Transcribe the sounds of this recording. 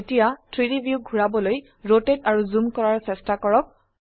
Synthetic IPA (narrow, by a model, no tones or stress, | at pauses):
etijatʰɹiɹibʱjuɡʱuɹabɔloj | ɹotetaɹuzumkɔɹaɹsɛstakɔɹɔk̚